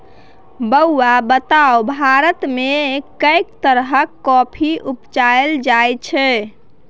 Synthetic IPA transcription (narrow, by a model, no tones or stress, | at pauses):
bəːabət̪awbʱaɾət̪mekəjkt̪əɾɦəkːɔpʰiʔupt͡ʃaeld͡ʒajt͡ʃʰɛ